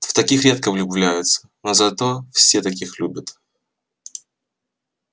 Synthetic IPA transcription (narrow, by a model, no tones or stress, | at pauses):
ft̪ɐkʲixɾʲe̞t̪̚kəvlʲʊblʲæjʊt̪sə̥nozɐt̪o̞fsʲet̪ɐkʲixlʲubʲət̪